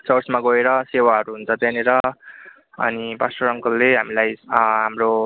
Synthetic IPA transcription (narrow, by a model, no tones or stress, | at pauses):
t͡sʌrsmaɡʌeɾʌsewaɦʌɾuɦunt͡sʰʌt̪aneɾʌ | ʌ̰nibasʈʌɾʌŋkʌlːeɦamilajɦamro